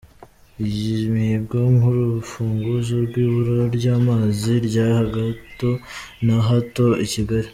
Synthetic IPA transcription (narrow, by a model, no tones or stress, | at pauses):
ijimihibɡoŋuɾufuːŋɡuzoɾɡwiːβuɾoɾɟaːmaːziɾɟaːhaɡatonaɦatoiciɡaɾi